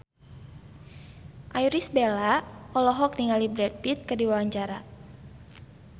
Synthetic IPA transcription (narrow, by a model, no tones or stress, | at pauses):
ʔajɾisbelaɔlɔɦɔk̚niŋalibɾɛt̪̚bit̪̚kərdiwawaɲt͡ʃaɾa